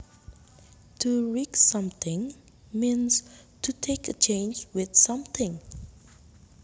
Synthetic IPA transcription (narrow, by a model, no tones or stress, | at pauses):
tʰuɹiksʌ̃mθɪ̃ŋ | mĩnstʰutʰekət͡ʃʰẽɪ̃nd͡ʒwɪð̥sʌ̃mθɪ̃ŋ